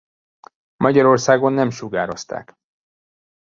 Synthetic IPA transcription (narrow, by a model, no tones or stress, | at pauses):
mɒɟɒɾo̞rsaːɡo̞nːɛmʃuɡaːɾo̞st̪a̰ːk